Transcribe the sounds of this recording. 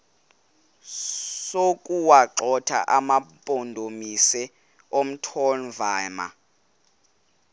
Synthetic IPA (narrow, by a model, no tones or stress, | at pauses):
sokʼuwaǁɔtʰa̰ʔamapʼondʱomisɛ | om̩tʰɔnvaːma̰